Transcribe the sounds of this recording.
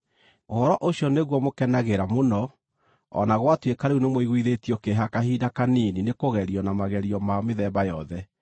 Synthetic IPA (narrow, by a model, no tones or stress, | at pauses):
ohɔɾɔʔoɕjɔneɣwɔmokɛnaɣeɾamonɔ | ɔ̰naɣwatwekaɾeunemoiɣwiðetiɔkeɦakahidakaniːninekoɣɛɾiɔnamaɣɛɾiɔmameðɛbajɔðɛ